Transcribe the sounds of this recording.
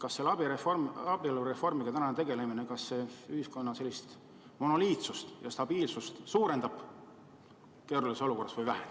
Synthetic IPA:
kɑsːelːɑb̥iɾeformɑb̥ilure̞fo̞rmiɡ̥ɑt̪ænɑnet̪e̞ɡe̞le̞minekɑsːeyhisko̞nːɑse̞lːist̪ | mo̞noliːt̪sust̪jɑst̪ɑb̥iːlsust̪suːɾe̞nd̪ɑb̥ | ke̞ːɾulisso̞luko̞rːɑsvɑjvæɦem

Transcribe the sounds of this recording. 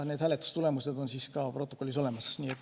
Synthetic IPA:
ne̞ːd̪hæːle̞t̪ːˑu̥st̪ule̞muse̞d̪̥o̞nsiskɑpro̞t̪ːˑo̞kːolʲːiso̞le̞mɑsniːet̪ːˑ

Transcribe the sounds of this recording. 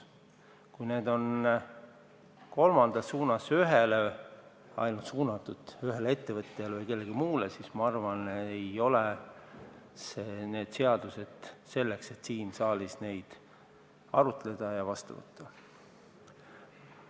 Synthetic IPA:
kujne̞ːd̪̥o̞n | ko̞lmɑnd̪̥ɑsuːnɑsyɦele | ɑ̰jnult̪suːnɑt̪ːˑud̪̥yɦe̞lee̞t̪ːe̞vɤt̪ˑːeɑlvɤjke̞lːe̞ɡimuːlesiːsmɑɑrvɑnejo̞le | sene̞ːd̪̥se̞ɑd̪̥use̞d̪̥se̞lːe̞kse̞t̪siːnsɑːlisne̞jd̪̥ | ɑɾut̪ˑle̞d̪̥ɑjɑvɑst̪ṵvɤ̰t̪ˑːɑ

